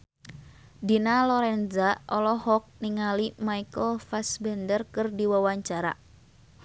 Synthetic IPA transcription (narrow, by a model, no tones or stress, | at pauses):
dinalɔɾɛnzaɔlɔhɔk̚niŋalimaikəlfasbɛndərkɨrdiwawaɲt͡ʃaɾa̰